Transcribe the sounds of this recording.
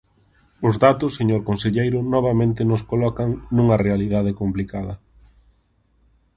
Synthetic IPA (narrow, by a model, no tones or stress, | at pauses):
ʊzðat̪ʊsːeɲoɾkonseʎejɾʊnɔβ̞ɐmẽnt̪ɪnʊskolɔkaŋnũŋɐrealiðaðɪkomplikaðɐ